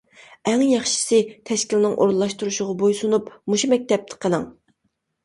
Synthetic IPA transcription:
ɛŋjɑχʃi̥sɨt̪ʰɛʃkʲilnɪŋʔo̰ɾnlˠɑʃt̪uɾuʃʊʁɑbojsunupmuʃumɛk̚ʲt̪ɛp̚t̪ʰɨ̥qʰəlˠɨŋ

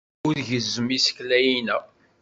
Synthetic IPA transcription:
ʊɾʝəzːəmisə̥klæjinæ

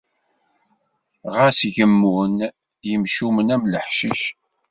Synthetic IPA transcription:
ʁæsʝəmːun | jəmʃumənæmləħʃiʃ

